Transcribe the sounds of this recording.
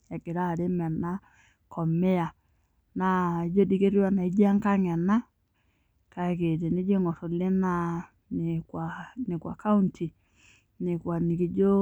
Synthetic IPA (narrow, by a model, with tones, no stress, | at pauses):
ja˨ke˨ɾa˦˨ɾe˦mɛ˨na˦ | kʰɔ˨me˦a˨ | na˨˦d͡ʒo˦di˦ke˦ɾjwa˦na˨i˦d͡ʒa˦ŋka˦ŋɛ˨na˦ | ka˨ke˨te˨ne˦d͡ʒe˦ŋɔ˨so˨le˦na˦ | ne˨kwa˨ne˨kwa̰˨ka˦u˦ntʰi˨ | ne˨kwa˨ni˨ke˨d͡ʒo˦